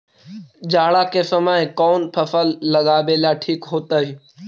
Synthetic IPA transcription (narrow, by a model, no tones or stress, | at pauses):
d͡ʒaːɭaːkʰeːsəmaːẽkɔːnpʰəfəlːəɠaːbeːljaːʈʰiːkɦoːt̪aɦiː